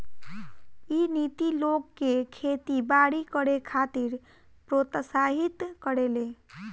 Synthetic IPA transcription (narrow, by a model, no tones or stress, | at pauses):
init̪ilokːekʰet̪ibaɽikəɽekʰat̪iɾ | pɾot̪saɦit̪kəɾele